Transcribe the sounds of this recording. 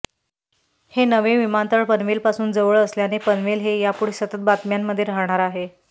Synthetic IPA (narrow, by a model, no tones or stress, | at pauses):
henəʋeʋimant̪əɭpənʋelpasuːnd͡zəʋəɭəsljanepənʋelɦejapuɽ̤esət̪ət̪̚bat̪mjamːəd̪ʱːjeɾaɦɳ̃aɾaɦe